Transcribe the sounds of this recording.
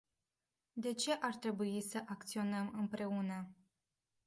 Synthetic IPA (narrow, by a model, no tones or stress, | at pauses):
d̪e̞t͡ʃe̞ʔart̪ɾe̞buisəʔakt̪sio̞nəmɨmpɾe̞unə